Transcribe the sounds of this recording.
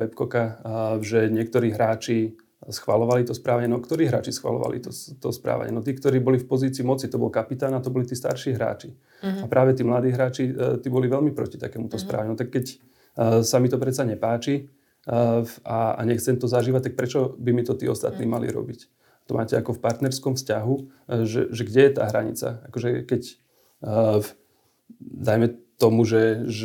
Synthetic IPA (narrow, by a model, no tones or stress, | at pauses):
ɛpkɔkaʒɛɲɪɛk̚t̪ɔɾiːɦɾaːt͡ʃi | sxʋalɔʋalit̪ɔspɾaːʋaɲɛnɔkt̪ɔɾiːɦɾa̰ːt͡ʃisxʋa̰lɔ̰ʋa̰lḭt̪ɔt̪ɔspɾa̰ːʋa̰ɲɛ̰nɔt̪iːkt̪ɔɾiːbɔlifpɔziːt͡siːmɔt͡sit̪ɔbɔlkapit̪aːnat̪ɔbɔlit̪iːst̪a̰ɾʃiːɦɾa̰ːt͡ʃi | apɾʔaːʋɛt̪iːmlad̪iːɦɾaːt͡ʃit̪iːbɔliʋɛʎmipɾɔ̰cit̪akɛːmut̪ɔspɾa̰ːʋaɲɛnɔt̪akːɛc | samit̪ɔpɾɛt͡saɲɛpaːt͡ʃi | aa̰ɲɛxt͡sɛmt̪ɔzaʒiːʋac̚t̪ak̚pɾɛt͡ʃɔbimit̪ɔt̪iːɔst̪a̰t̪niːmalḭɾɔ̰bic | at̪ɔma̰ːcɛakɔfpaɾt̪nɛɾskɔmfscaɦu | ʒɛ̰ʒɛɡɟɛjɛt̪a̰ːɦɾaɲḭt͡sa̰akɔʒɛkɛc | d̪ajmɛt̪ɔmuʒɛ